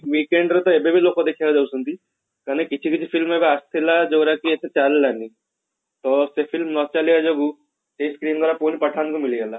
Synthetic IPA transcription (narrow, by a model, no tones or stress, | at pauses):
ʋiːkeɳɖɾɐt̪oebebeloːkod̪ekʰijaːɡɐd͡ʒɐbusund̪i | kaːnikit͡ʃʰikit͡ʃʰipʰilmebeɐst̪ʰilad͡ʒɔːɡɾakiet̪et͡ʃaːɾilːanːi | t̪osepʰilmnɔːt͡ʃaːliad͡ʒobu | ʈeskɾiːnɡ̪aːɾapoːnipɐʈʰanikumilijala